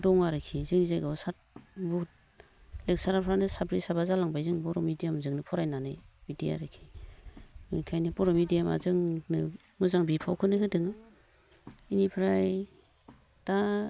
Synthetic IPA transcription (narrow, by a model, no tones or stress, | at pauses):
dɔŋaɾɯkʰːizɯŋnizajɡawsat̚but̚ | lek̚saɾapʰɾanɯsabɾisabazalaŋbajzɯŋbɔɾɔmidijamzɯŋnɯpʰɔɾajnanɯjbidija̰ɾɯkʰi̥ | ɯkʰajnibɔɾɔmidijama̰zɯŋnɯ | mɯzaŋbipʰawkʰɯnɯɦɯdɯŋɯ | inipʰɾaj | ta